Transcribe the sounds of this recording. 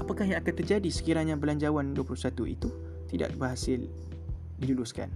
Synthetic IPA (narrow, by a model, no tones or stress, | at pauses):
ʔapakahjãŋakant̪ərd͡ʒadisə̥kiɾaɲãbəlaɲd͡ʒawanduəpulusat̪uḭt̪u | t̪ida̰ʔbərɦasɪl | diluluska̰n